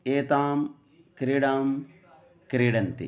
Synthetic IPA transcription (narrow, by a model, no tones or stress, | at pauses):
eːt̪aːm | kɾiɽaːm | kɾiɽɐnt̪ḭ